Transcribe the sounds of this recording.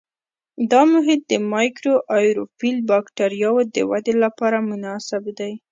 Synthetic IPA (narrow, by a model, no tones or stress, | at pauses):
d̪ɑmʊɦɪd̪̚ːəmɑjkɾoʔɑjɾofilbɑkʈaɾjɑwod̪ə̰wad̪elapɑɾamʊnɑsɪbd̪aj